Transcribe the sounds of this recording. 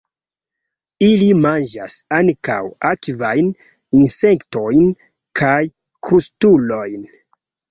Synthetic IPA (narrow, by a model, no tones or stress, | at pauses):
ilimand͡ʒa̰saŋka̰wakvajn | inseŋkto̞jn | kʰaj | kɾustulo̞jn